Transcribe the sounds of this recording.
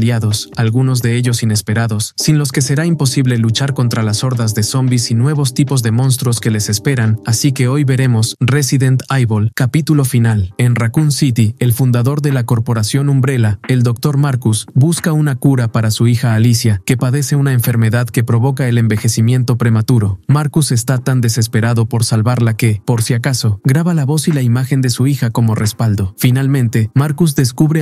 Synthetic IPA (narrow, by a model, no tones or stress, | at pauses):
ljaðo̞salɣuno̞zðe̞e̞ʝo̞sine̞spe̞ɾaðo̞sːinlo̞ske̞se̞ɾaimpo̞siβle̞lut͡ʃaɾko̞nt̪ɾalaso̞ɾðazðe̞so̞mbisinwe̞β̞o̞st̪ipo̞zðe̞mõ̞ns̬t̪ɾoske̞le̞se̞spe̞ɾanasike̞o̞jβe̞ɾe̞mo̞sre̞siðe̞nt̪ajβolkapit̪ulo̞finale̞nrakunsit̪ie̞lfund̪aðo̞ɾðe̞lako̞ɾpo̞ɾasjo̞numbɾe̞lae̞ld̪o̞k̚t̪o̞ɾmaɾkusbuskaunakuɾapaɾasuixaːlisjake̞paðe̞se̞unaeɱfe̞ɾme̞ðaðke̞pɾo̞β̞o̞kae̞le̞mbe̞xe̞simje̞nt̪o̞pɾe̞mat̪uɾo̞maɾkuse̞st̪at̪and̪e̞se̞spe̞ɾaðo̞po̞ɾsalβaɾlake̞po̞ɾsjakaso̞ɡɾaβalaβo̞silaimaxe̞nd̪e̞suixako̞mo̞re̞spald̪o̞finalmẽ̞nt̪e̞maɾkuz̬d̪e̞skuβɾe